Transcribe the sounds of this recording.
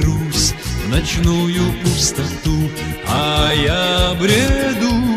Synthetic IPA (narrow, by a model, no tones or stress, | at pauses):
ɾusnɐt͡ɕnujʊpʊst̪ɐt̪u | ɐjabɾʲed̪u